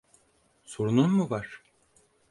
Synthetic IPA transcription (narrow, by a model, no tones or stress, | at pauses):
soɾununmuvaɾ̥